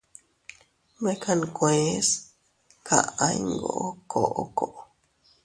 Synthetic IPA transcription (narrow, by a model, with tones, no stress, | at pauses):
mẽ˦kʰa˧n˧kwẽ˨˦s | kʰa̰˧˨ã˦jŋɡo˦o˦kʰo˨ʔo˨˧ko˨ʔo˨